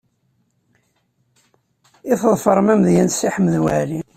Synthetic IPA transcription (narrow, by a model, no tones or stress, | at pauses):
iθðˤfəɾˤmæmðjænsiħəmːðwaʕlin